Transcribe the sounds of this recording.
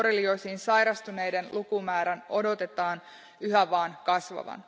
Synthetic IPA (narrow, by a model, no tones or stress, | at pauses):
ɾelio̞jsiːnsɑjɾɑst̪une̞jde̞nlʔukumæːɾæno̞do̞t̪e̞t̪ɑːn | yɦæʋɑːnkɑsʋɑ̰ʋɑ̰n